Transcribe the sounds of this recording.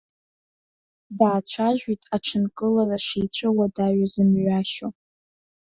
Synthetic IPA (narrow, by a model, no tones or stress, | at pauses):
daːt͡ɕʷʰaʒᶣitʼaʈ͡ʂʰɨnkʼɨlaraʂijt͡ɕʷʰɨwadaɥʷazɨmɥʷaʃo